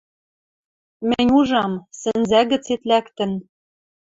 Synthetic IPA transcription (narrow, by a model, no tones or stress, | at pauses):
mɘ̆nʲuʒɑmsɘ̆nzæɣɘ̆t͡set̪lækt̪ɘ̆n